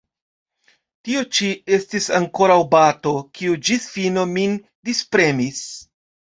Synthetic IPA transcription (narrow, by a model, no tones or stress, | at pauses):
tiot͡ʃie̞stisaŋko̞ɾawbato̞kʰiud͡ʒisfino̞min | dispɾe̞mis